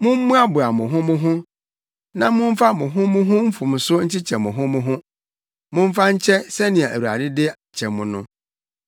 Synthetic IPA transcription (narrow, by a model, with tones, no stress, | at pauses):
mʊ̃˦m̩˦mũ˦a˦bʊ˨a˨mʊ̃˨ɦʊ̃˦mʊ̃˦ɦʊ̃˦ | nã˦mʊ̃˦m̩˦fa˦mʊ̃˨ɦʊ̃˦mʊ̃˦ɦʊ̃˦m̩˦fʊ̃˨m˨sʊ˦ɲ̩˦t͡ɕʰɪ˦t͡ɕʰɛ˨mʊ̃˨ɦʊ̃˦mʊ̃˦ɦʊ̃˦ | mʊ̃˦m̩˦fa˦ɲ̩˦t͡ɕʰɛ˦sɛ˦nɪ̃˨ɛ˨ʔæ̰˨wu˨a̰˨dɪ˦dɪ˦ | t͡ɕʰɛ˨mʊ̃˨nʊ̃˦